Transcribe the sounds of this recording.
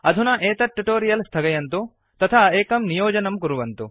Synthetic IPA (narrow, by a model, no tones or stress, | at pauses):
ɐd̪ʱunɐʔeːt̪ɐʈːuʈoːɾijɐlst̪ʰɐɡɐjɐnt̪u | t̪ɐt̪ʰaːeːkɐmnijoːd͡ʒɐnɐmkuɾuʋɐnt̪u